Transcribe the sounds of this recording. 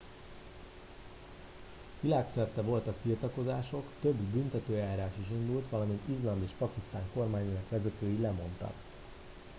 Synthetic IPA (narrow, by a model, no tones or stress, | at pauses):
ʋilaːksɛrt̪ɛvo̞lt̪ɒkt̪irt̪ɒko̞zaːʃo̞kt̪ø̞bːynt̪ɛt̪øːjaːɾaːʃiʃind̪ult̪ʋɒlɒmint̪izlɒmeːʃpɒkist̪a̰ːŋko̞rmaːɲenɒkʋɛzɛt̪øːjilɛmo̞nt̪ɒ̰k